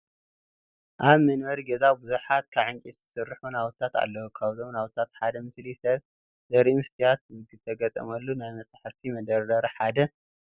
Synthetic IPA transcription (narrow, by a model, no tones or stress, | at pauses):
ʔaβmɐnwɐɾiɡɐzawbuzuħat̪̚kʰaβʕɨŋkʼit̪zɨsɨrːħunawt̪t̪ʰːat̪a̰lːɐwukʰaβzomnawt̪ʰːat̪ħad̪ɐmɨslisɐβ | z̥ɐɾimɨst̪ʰijat̪zɨɡɨbt̪ʰɐɡɐt̪ʼɐ̰mɐlːunajmɐsʼaħaft̪ʰimɐd̪ɐɾdɐɾɐħad̪ɐ